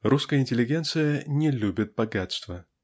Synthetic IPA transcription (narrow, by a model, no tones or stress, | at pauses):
ruskəjəɪnʲtʲɪlʲɪɡʲe̞nt̪sɨjənʲɪlʲubʲɪt̪̚bɐɡat̪st̪və